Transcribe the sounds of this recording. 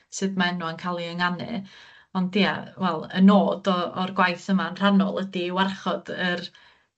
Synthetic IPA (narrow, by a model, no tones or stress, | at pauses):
sɨðmaɛnɔənkʰalˠiəŋanɨ̰ | ɔndia̰wɛlˠə̰noːdɔɔrɡwajθəmaənr̥anɔ̰lˠədiwarχɔd̥ər